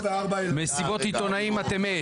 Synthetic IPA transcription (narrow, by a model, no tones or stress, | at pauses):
veaʁbaemesibot̪it̪onaimat̪eme